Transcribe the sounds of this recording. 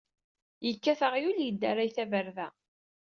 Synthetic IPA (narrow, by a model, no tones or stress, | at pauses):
jəkːæθəʁjuljəd̪ːæɾajθævəɾðæ